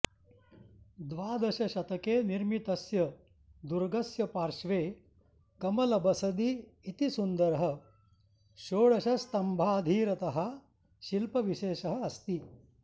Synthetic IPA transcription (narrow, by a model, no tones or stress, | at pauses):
d̪ʋaːd̪ɐʃɐʃɐt̪ɐkeːniɾmit̪ɐsjɐ | d̪uɾɡɐsjɐpaːɾʃʋeː | kɐmɐlɐbɐsɐd̪iːt̪isund̪ɐɾɐɦɐ | ʃoːɭɐʃɐst̪ɐmbʱaːd̪ʱiːɾɐt̪ɐɦɐ | ʃilpɐʋiʃeːʃɐɦɐ̆ːst̪i